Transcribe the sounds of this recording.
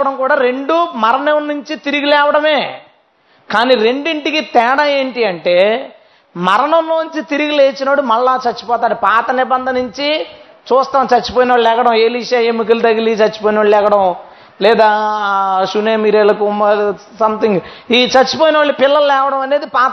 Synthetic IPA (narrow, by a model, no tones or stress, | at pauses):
ɐɽɐmkuːɽaːɾe̞ɳɖumɐɾɐɳɐmnuɲt͡ʃit̪iɾiɡilɛːʋɐɽɐme̞ː | kaːniɾe̞ɳɖiɳʈikit̪ɛːɽaje̞ːɳʈiɐɳʈe̞ː | mɐɾɐɳɐmloːnuɲt͡ʃit̪iɾiɡileːt͡ʃinɐɽumɐɭːaːt͡ʃɐt͡ʃːu̥pɔːt̪aːɽupaːt̪ɐnibɐnd̪ʱɐnuɲt͡ʃi | t͡ʃuːst̪aːmt͡ʃɐt͡ʃːi̥poːjinɐʋɐːɭlɛːkɐʈɐmeːliʃajemːuk̬ɐlt̪ɐɡilit͡ʃɐt͡ʃːu̥poːjnɐʋɐːɭlɛːkɐɽɐm | lɛːd̪aː | ʃuneːmiːɾɛːlːɐkumɐ | sɐmt̪iŋɡiːt͡ʃɐt͡ʃːipoːjnɐʋaɭːipɪlːɐlɐlɛːʋɐɽɐmɐne̞ːd̪ipaːt̪